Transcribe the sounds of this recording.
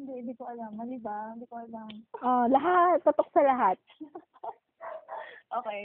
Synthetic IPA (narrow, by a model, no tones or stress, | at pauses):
hɪnd̪ɛɪnd̪ikoʔɐlamɐd̪ibahɪnd̪ikoʔɐlamʔolɐɦat̪ːʊt̪ok̚sɐlɐɦat̪̚ | ʔoːkɛj